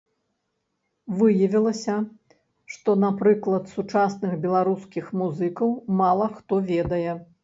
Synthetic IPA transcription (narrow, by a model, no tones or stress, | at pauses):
vɨjɐvʲilˠɐsʲɐ | ʂt̪ɔnapɾɨklˠɐt̪sut͡ʂasnɨxbʲɛlˠaɾuskʲixmuzɨkɐwmalˠɐxt̪ɔvʲɛd̪ɐjɛ